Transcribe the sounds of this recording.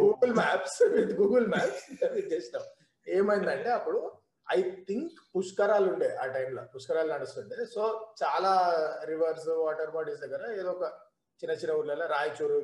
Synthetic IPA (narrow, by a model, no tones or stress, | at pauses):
ɡuːɡɐlmɛːpsʋid̪ɡuːɡɐlmaːpsit̪ɐʋid͡ʒeːsɐʈɐm | eːmɐjind̪ɐɳʈe̞ːɐpːuɽu | ɐjt̪iŋkpuskɐɾaːluɳɖeːʔaːʈɐjmlɐpuskɐɾaːlnɐɽust̪uɳɖesoːt͡ʃaːlaːɾiʋɐɾsuʋaːʈɐɾmaːɖisd̪ɐɡːɐɾɐeːd̪oːɔkɐ | t͡ʃinːɐt͡ʃinːɐuɾlɐlɐɾaːjt͡ʃuːɾu